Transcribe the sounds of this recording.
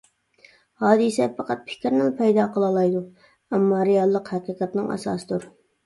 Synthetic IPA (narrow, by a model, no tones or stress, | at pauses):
hɑːd̪ɨsɛpʰɑqɑt̪̚pʰɪ̥kʲɾnɨlpʰɛjd̪ɑːqʰəlˠɑlˠɑjd̪u | ɛmːɑɾɪjɑlˠːəqhæqiːqɑt̪nɨŋɑ̰sɑ̰ːsɨd̪uɾ